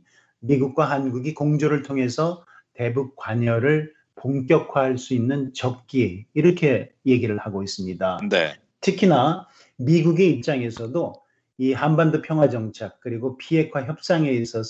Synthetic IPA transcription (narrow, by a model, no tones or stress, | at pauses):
miɡuk̚k͈waɦanɡuɡikoŋd͡ʑoɾɯɭtʰoŋɦe̞sʰʌ | te̞buk̚k͈waɲʌɾɯɭ | poŋk̬͈jʌkʰwaɦaɭs͈uinːɯnt͡ɕʌp̚k͈iːɾʌkʰe̞je̞ɡiɾɯɭhaɡois͈ɯmɲidane | tʰɯkʰina | miɡuɡe̞ip̚t͡ɕ͈aŋe̞sʰʌdo | ihanbandopʰjʌŋɦwad͡ʑʌŋt͡ɕʰak̚k͈ɯɾiɡopiɦe̞kʰwaçjʌp̚s͈aŋe̞is͈ʌs